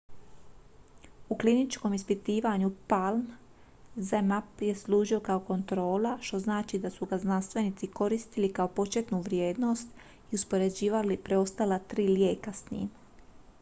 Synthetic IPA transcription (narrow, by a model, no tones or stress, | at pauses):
uklinit͡ʃko̞mispit̪iːʋaɲupalm | zemapje̞slˠuːʒio̞kao̞ko̞nt̪ɾo̞ːlaʃt̪o̞znaːt͡ʃid̪asuɡaznanst̪ʋe̞nit̪siko̞ɾist̪ilikaopo̞t͡ʃet̪nuʋɾje̞ːd̪no̞st̪ | iuspo̞ɾe̞d͡ʑiːʋalipɾe̞o̞st̪alat̪ɾiːlje̞ːkasɲḭːm